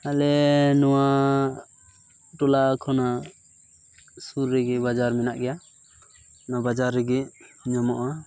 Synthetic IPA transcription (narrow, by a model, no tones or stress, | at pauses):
alɛnɔwa | ʈɔlakʰɔna | suɾːɛɡɛbad͡ʒaɾmɛnaʔɡɛja | nabad͡ʒaɾːɛɡɛɲɔmɔʔa